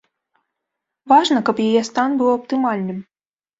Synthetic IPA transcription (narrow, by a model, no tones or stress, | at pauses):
vaʐnɐkɐpjajɛst̪anbɨwɐpt̪ɨmalʲnɨm